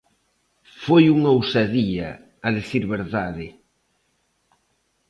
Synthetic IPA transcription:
fojuŋowsaðiɐ̰ː | ðeθiɾβeɾðaðɪ

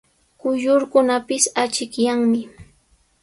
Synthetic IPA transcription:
kʊjʊɾkʊnapɪsat͡ʃɪkjaŋmɪ

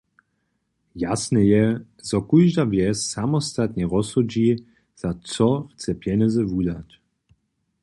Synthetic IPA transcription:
jasnɛjɛ | zɔkujʒd̪avjɛssamɔst̪at̪ɲɛɾɔsud͡ʑi | z̥at͡s̪ɔxt͡s̪ɛpjɛnɛzɛvud̪at

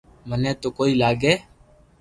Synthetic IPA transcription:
məneːt̪oːkoːiːlaːɡeː

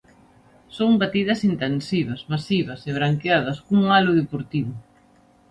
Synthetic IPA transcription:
soŋbat̪iðɐsint̪ensiβɐsmasiβ̞ɐseβɾaŋkeaðɐskuŋalʊðepoɾt̪iβʊ

